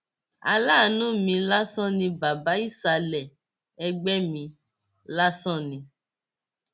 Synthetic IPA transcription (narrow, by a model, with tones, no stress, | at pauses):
a̰˧la˦˨˦nũ˦mĩ˧la˦sɔ̃˦nĩ˧ba˨ba˨˦i˦˨sa˧lɛ˨ | ɛ˧ɡ͡bɛ˦mĩ˧ | la˦sɔ̃˦˨nĩ˧